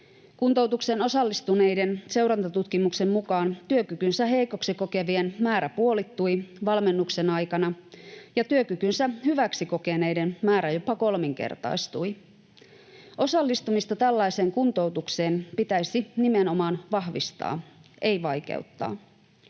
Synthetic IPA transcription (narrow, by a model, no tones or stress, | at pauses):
kunt̪o̞wt̪ukseno̞sɑlːist̪une̞jde̞nse̞wɾɑnt̪ɑt̪ut̪kimukse̞mmukɑːnt̪yøkykynsæɦe̞jko̞ksiko̞ke̞ʋie̞nmæːɾæpuo̞lit̪ːuiʋɑlme̞nːukse̞nɑjkɑnɑjɑt̪yøkykynsæhyʋæksiko̞ke̞ne̞jde̞nmæːɾæjo̞pɑko̞lmiŋk̟e̞̰rt̪ɑ̰ist̪ui | ʔo̞sɑlːist̪umist̪ɑt̪ælːɑise̞ːŋkunt̪o̞wt̪ukse̞ːnpit̪æjsinimeno̞mɑːnʋɑɦʋḭst̪ɑ̰ːʔe̞jʋɑjk̟ḛuwt̪ːɑ̰ː